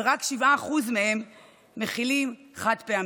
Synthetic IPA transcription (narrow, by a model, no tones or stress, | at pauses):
ʁakʃivaːχuzmehe̞mː | e̞χilimχat̪pe̞am